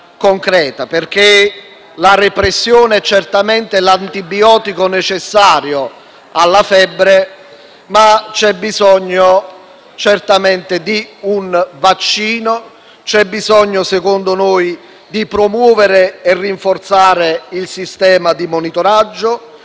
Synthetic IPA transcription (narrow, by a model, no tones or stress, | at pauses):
koŋkɾɛːt̪aperk̟e | laɾepɾesːjoːneɛt͡ʃːɛrt̪amɛnt̪elant̪ibiɔːt̪ikonɛt͡ʃɛsːaːɾjo | alːafɛbːɾe | mat͡ʃɛbːizɔɲːo | t͡ʃɛrt̪amɛnt̪ɪd̪iunvat͡ʃːiːno | t͡ʃɛbːizɔɲːosɛkond̪onoːj | d̪ipɾomwɔːveɾeɛrːiɱfort̪saːɾeilsist̪ɛːmad̪imonit̪oɾad͡ʒːʊ